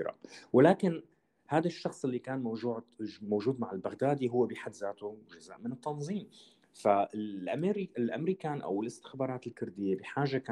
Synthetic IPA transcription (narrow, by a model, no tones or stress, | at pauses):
ɾɑ̰wɪlaːkɪn | haːd̪aʃːɑxsˤɪlːikaːnmowʒuːʕmoːʒuːd̪maʕɪlbaɣd̪aːd̪iɦʊwːebiħad̪zaːt̪uʒaza̰ːʔmɪnɨt̪ːɑnzˤiːm | faɪʔamɾɪlʔa̰mɾiːkaːnʔa̰wɪlɪst̪ɪ̥xbɑːɾˤɑːt̪ɪlkʊɾd̪ɪjːebɪħaːʒaka